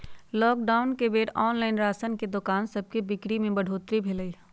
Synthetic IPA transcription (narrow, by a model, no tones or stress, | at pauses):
lɔːk̚ɖaːʊnkebeːʈɔːnlaːɪnɾaːsənked̪ʊkaːnsɐb̚kebɪkɽimẽbɐɽ̤ʱoːt̪ɾibʱeləiː